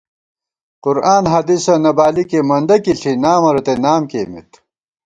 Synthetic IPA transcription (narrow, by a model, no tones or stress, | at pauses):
qʊɾaːnɦɐd̪isɐnɐbaːlikemɐnd̪ɐkiɬʰinaːmɐɾot̪enaːmkeːmḭt̪